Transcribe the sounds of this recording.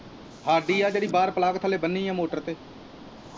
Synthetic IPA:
haːɖiːaːd͡ʒeːɽiːbaːɾpəlaːɡt̪ʰəleːbənːiːjãːmoːʈəɾt̪eː

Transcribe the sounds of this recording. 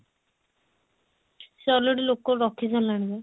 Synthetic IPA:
seɔleɖilokːɔɹɔkʰizalaɽ̃ibɛ

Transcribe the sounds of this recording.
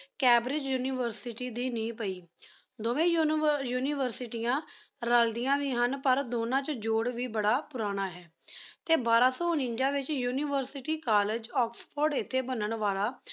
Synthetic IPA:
kɛːbɾɪd͡ʒjuːniːʋəɾsɪʈiːd̪iːnĩːpəiː | d̪oːʋẽːjjuːniːʋəɾsɪʈijãː | ɾəld̪ɪjãːʋiːɦənpəɾd̪oːnãːt͡ʃd͡ʒoːɽʋiːbəɽaːpʊɾaːɽ̃aːɦɛː | t̪eːbaːɾãːsɔːʊnɪ̃ɲd͡ʒãːʋɪt͡ʃjuːniːʋəɾsɪʈiːkaːlɪd͡ʒɔːkspʰɔːɖɪt̪ʰːeːbənəɳʋaːlaː

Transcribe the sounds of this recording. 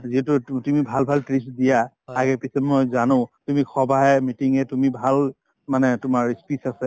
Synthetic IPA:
ziɦɛtʊtumibʱalbʱaltɹisdija | aɡɛpisɔbmojzanʊ̃tumixʰɔbʱaɦɛmitiŋɛtumibʱal | manɛtʊmaɹispisasɛ

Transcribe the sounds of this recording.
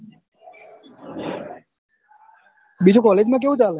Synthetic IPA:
bit͡ʃʰokɔled͡ʒmãk̬eũt͡ʃale

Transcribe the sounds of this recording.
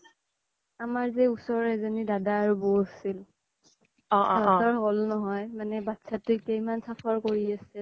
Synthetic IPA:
amaɹzɛusɔɹɛzɔnidadaːɹubosil | ɔ̃ʔɔɹɦolnɔɦɔjmanɛbatːsatʊkejmansapʰaɹkoɹiasɛ

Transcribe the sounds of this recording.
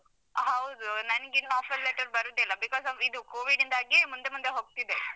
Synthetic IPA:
ɦɐwd̪unɐnɡinːaːfɐlːeʈɐɾbɐɾud̪ɛlːɐbikɔːzɔid̪ukoːʋiɖind̪aːɡimund̪e̞mund̪eɦoːɡ̚t̪id̪e

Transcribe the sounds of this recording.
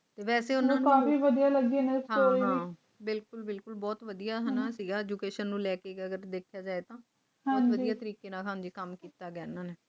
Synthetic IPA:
t̪eːʋɛːseːʊnaːnkãːfiːʋəd̪ijaːləɡenesɦaoãiː | bɪlkʊlbɪlkʊlbɔːt̪ʋəd̪ijaːɦɛnasiːɡaːɛːd͡ʒuːkeːʃənːũːlɛːkeːɡəɡəɾd̪eːkʰjaːd͡ʒaːeːt̪ãː | ɦãːʋəd̪jaːt̪əɾiːkeːnãːkʰãːnd͡ʒiːkəmkiːt̪aːɡɛːnaːneː

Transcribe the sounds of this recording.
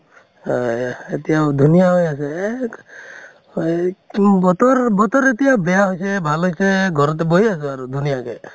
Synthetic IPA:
et̪iad̪ʱunijaɦojase | bɔt̪ɔɾbɔt̪ɔɾet̪iabejaɦojsebʱalojsʰeɡʱɔɾɔt̪̬eboɦiasɔaɾud̪ʱunijake

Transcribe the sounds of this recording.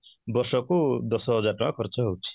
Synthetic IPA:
bɔɾsɔkud̪ɔsɔɦɔd͡ʒaʈɔmakʰɔɾt͡ʃʰɔɦowt͡ʃʰi̥

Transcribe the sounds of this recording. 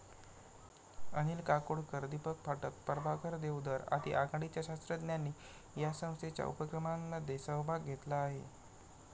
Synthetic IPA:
ənilkakoɽkəɾd̪ipək̚fʰaʈək̪̚pəɾbakəɾd̪ewd̪əɾa̰t̪ḭʔaɡaɽ̃it͡ɕjaɕast̪ɾəd̪njanːiː | jasə̃w̃st̪et͡ɕja̰ṵpəkɾəmanːad̪esəʋbʱaɡʱet̪laːɦḛ

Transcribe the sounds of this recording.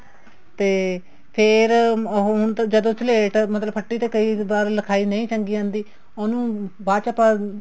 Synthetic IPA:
t̪eː | pʰɪɾɦʊnt̪ːd͡ʒəd̪õːt͡ʃəleːʈmət̪ləbpʰəʈːiːt̪eːkəiːbaːɾləkʰaːiːnəĩːt͡ʃə̃ŋɡiːãːnd̪iː | oːnũːbaːt͡ʃapãː

